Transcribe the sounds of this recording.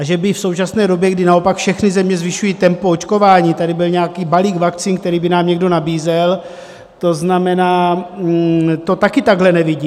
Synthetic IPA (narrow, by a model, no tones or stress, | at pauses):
ʔaʒɛbɪfso̞wt͡ʃasnɛːdo̞bjɛɡdɪnao̞pakfʃɛxnɪzɛmɲɛzvɪʃujiːt̪ɛmpoot͡ʃko̞vaːɲiːt̪adɪbɪlɲɛakiːbaliːkvakt͡siːnk̚t̪ɛɾiːbɪnaːmɲɛɡdo̞nabiːzɛl | t̪o̞znamɛnaː | t̪o̞t̪akɪt̪aɡɦlɛnɛvɪɟiː